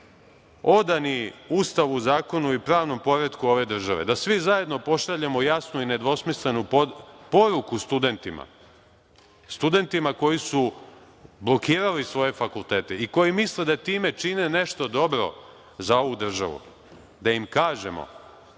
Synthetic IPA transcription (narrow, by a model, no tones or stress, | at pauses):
o̞d̪aniust̪aʋuzaːko̞nuipɾaːʋno̞mpo̞ɾe̞d̪kuo̞ʋe̞d̪r̩ʒaʋe̞̰d̪asʋizaje̞d̪no̞po̞ʃaʎemo̞jasnuine̞d̪ʋo̞smisle̞nuppo̞ɾukust̪ud̪e̞nt̪ima̰ | st̪ud̪e̞nt̪imako̞jisu | blˠo̞kiːɾalisʋo̞je̞fakulˠt̪e̞ːt̪eiko̞jimisled̪at̪iːme̞t͡ʃine̞ne̞ʃt̪o̞d̪o̞bɾo̞̰ | zao̞ʋud̪r̩ʒa̰ʋṵ | d̪aimkaːʒe̞̰mo̰